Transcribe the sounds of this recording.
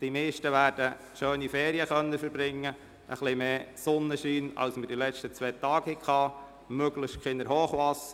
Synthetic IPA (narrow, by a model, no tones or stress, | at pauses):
d̥imeːʃtəʋæːɾd̥ə | ʃøːnifɛːɾiəχœnːəfəɾbɾɪŋːə | ʔəχlɪmeːsɔnːəʃiːnɑ̰wsmədilɛt͡ʃtət͡sʋɛːt̪ɑːɡ̥hɪkχɑː | møɡləʃtkχɪnəɾɦoːχʋɑs